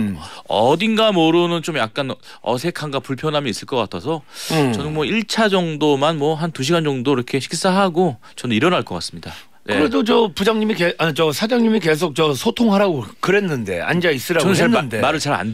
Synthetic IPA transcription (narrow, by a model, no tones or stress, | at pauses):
ʌdinɡamʌɾɯnɯnt͡ɕomjak̚k͈an | ʌ̰sʰe̞kʰaŋɡapuɭpʰjʌnɦamjʌis͈ɯɭk͈ʌk͈atʰʌsʰʌʌnɯnmwʌiɭt͡ɕʰad͡ʑʌŋdomanmwʌɦantuɕ̬ʰiɡand͡ʑʌŋdoiɾʌkʰe̞ɕʰi̥ks͈aɦaɡo | t͡ɕʌnɯniɾʌnaɭk͈ʌk͈a̰s͈ɯ̥mɲida | nekɯɾedot͡ɕʌpud͡ʑaŋɲimikeat͡ɕʌsʰad͡ʑaŋɲimike̞s̬ʰok̚t͡ɕʌsʰotʰoŋɦaɾaɡokɯɾe̞nːɯnde̞̰a̰nd͡ʑais͈ɯɾaʌnɯnt͡ɕanːndemaɾɯɭt͡ɕaɾa̰n